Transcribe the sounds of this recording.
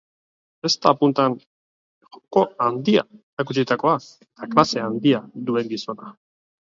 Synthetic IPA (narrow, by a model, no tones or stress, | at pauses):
e̞st̪apunt̪an | oko̞and̪ia̰eɾak̬ut͡ʃit̪ako̞aeet̪aklase̞and̪iad̪ue̞ŋɡiso̞na